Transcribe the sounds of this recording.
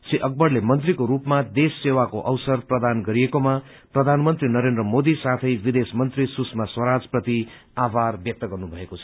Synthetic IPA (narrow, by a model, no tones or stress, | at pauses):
siʔʌk̚bʌrlemʌnt̪rikoɾupmad̪esːewakoʔʌwsʌrprʌd̪anɡʌɾiekoma | prʌd̪ʱanmʌnt̪rinʌɾend̪ɾʌmod̪isat̪ʰʌjbid̪esmʌnt̪risusmaswʌɾad͡zprʌt̪i | abarbjʌk̚t̪ʌɡʌrnubʱʌekoʌ̥